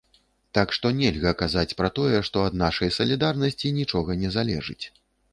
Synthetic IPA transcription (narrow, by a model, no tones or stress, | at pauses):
t̪akʂt̪ɔnʲɛlʲɣɐkazat͡sʲpɾɐt̪ɔjɛʂt̪ɔɐd̪naʂɐjsɐlʲid̪arnɐsʲt͡sʲinʲit͡ʂɔɣɐnʲɛzalʲɛ̰ʐɨ̰t͡sʲ